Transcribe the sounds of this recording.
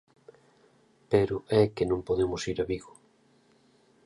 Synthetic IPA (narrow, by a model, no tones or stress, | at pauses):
peɾʊʔɛkenõŋpoðemʊsiɾaβiɣʊ̥